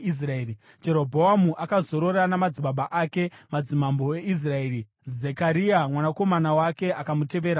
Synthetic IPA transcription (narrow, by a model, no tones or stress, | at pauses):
is̬raeːri | d͡ʒe̞ɾo̞bʱo̞amuʔakazo̞ɾo̞ɾanamad͡ziɓaɓaʔake̞mad͡zimambo̞e̞is̬rae̞ːɾi | zekaɾiamwanako̞manawake̞ʔakamute̞ʋeːɾa